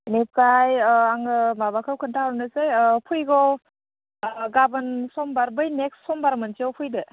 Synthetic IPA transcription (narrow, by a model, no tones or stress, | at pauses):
nep̚kajaŋɯmabakʰɯwkʰɯntʰaaɾnɯsejpʰujɡɔ | ɡabɯnsɔmbaɾbɯjnek̚sːɔmbaɾmɯnsiɔwpʰujdɯ